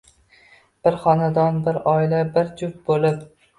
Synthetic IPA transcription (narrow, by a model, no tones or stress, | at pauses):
b̥ɪɾχɒnad̪ɒnbɪɾɒɪlabɪɾd͡ʒʊp̚bolɪp